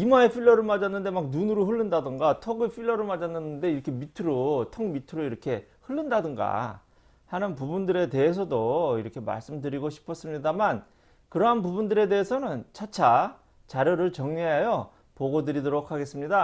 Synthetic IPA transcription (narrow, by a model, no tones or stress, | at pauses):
imaepʰiʎːʌɾɯɭmad͡ʑanːɯnde̞mak̚nunɯɾoɦɯɭːɯndadɯŋɡatʰʌɡɯɭpʰiʎːʌɾɯɭmad͡ʑanːɯnːɯnde̞iɾʌkʰe̞mitʰɯɾotʰʌŋmitʰɯɾoiɾʌkʰe̞hɯɭːɯndadɯŋɡa̰ | hanɯnpubundɯɾe̞te̞ɦes̬ʰʌdoiɾʌkʰe̞ma̰ɭs͈ɯmdɯɾiɡoɕʰi̥pʰʌs͈ɯmɲidaman | kɯɾʌɦanpubundɯɾe̞de̞esʰʌnɯnt͡ɕʰat͡ɕʰa | t͡ɕaɾjʌɾɯɭt͡ɕʌŋɲeajʌ | poɡodɯɾidoɾokʰaɡe̞s͈ɯmɲida